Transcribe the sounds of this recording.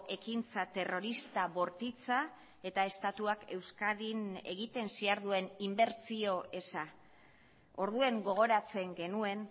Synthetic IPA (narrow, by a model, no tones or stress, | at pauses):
ʔe̞kint͡sat̪e̞ro̞ɾist̪aβo̞ɾt̪it͡sa | e̞t̪ae̞st̪at̪uake̞wskaðine̞̰ɣit̪e̞nsiaɾðue̞nimbe̞ɾt͡sio̞e̞sa | o̞ɾðue̞ŋɡo̞ɣ̞o̞ɾat͡se̞ŋɡe̞nue̞n